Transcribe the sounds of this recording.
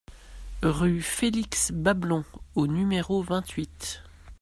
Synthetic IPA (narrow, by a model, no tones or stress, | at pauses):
ʁyfeliksbablɔ̃onymeʁovɛ̃t̪ɥit̪